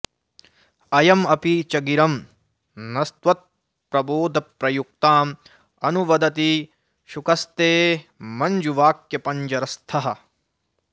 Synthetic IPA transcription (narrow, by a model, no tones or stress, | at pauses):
ɐjɐmɐpit͡ʃɐɡiɾɐm | nɐst̪ʋɐt̪̚ | pɾɐboːd̪ʱɐpɾɐjuk̚t̪aːm | ɐnuʋɐd̪ɐt̪i | ʃukɐst̪eːmɐɲd͡ʒuʋaːkjɐpɐɲd͡ʒɐɾɐst̪ʰɐɦɐ̆